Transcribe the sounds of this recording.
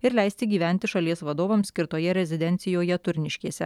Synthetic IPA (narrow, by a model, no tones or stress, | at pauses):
ɪɾlʲɛɪsʲt̪ʲɪɡʲiːʋʲæˑnʲt̪ʲɪʃɐlʲiɛsʋɐd̪oːʋɐmsʲkʲɪɾt̪oːjɛɾʲɛzʲɪd̪ʲɛnʲt̪sʲɪjoːjɛt̪ʊɾʲnʲɪʃʲkʲiːsʲɛ̰